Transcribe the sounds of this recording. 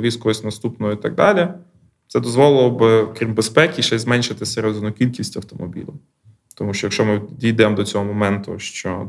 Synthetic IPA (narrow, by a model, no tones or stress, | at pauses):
ʋʲisʲkɔɦɔsʲnɐst̪upnɔɔit̪ɑ̰ɡ̚d̪ɑlʲi | t̪sɛd̪ɔzʋɔlˠɪlˠɔbɪɔkɾʲimbespɛkʲiʃɛjzmɛnʲʃɪt̪ɪsʲɛɾɛzɔnʊkʲilʲkʲisʲtʲɐwt̪ɔmɔbʲḭlʲʊ̰ | t̪ɔmuʃt͡ʃɔjɐkʃt͡ʃɔmɪd̪ʲijd̪ɛmd̪ɔt͡sʲɔɦɔmɔmɛnt̪ʊ̰ʃt͡ʃɔ